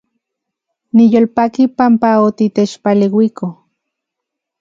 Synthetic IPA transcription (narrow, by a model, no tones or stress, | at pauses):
nijolpakipampaot̪it̪et͡ʃpalewikʰo